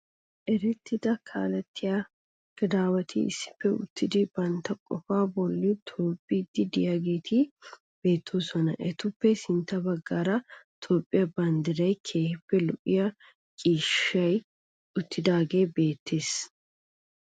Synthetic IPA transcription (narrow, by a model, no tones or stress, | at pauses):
ʔɛɾɛt̪ːɪd̪ɐkʰa̰ːlɐt̪ʰːɪja | ɡ̥ɐd̪aːwɐt̪ʰiɪ̰sːɪ̥pːɛʊ̰t̪ʰːɪd̪ɪbɐnt̪ɐkʼɔfaːbɔlːɪt̪ʰoːpʼːiːd̪ːɪd̪ɪjaːɡeːt̪ʰi | b̥e̞ːt̪ʰːoːsɔnɐʔɛt̪ʊpːɛsɪnt̪ːɐbɐɡːaːɾɐ | t̪ʰoːpʼːɪjɐbɐnd̪ɪɾɐjkʰe̞ːhɪpːɛlɔʔɪ̰jɐ | kʼiːʃɐj | ʊt̪ːɪd̪aːɡe̞ːbe̞ːt̪ːe̞ːs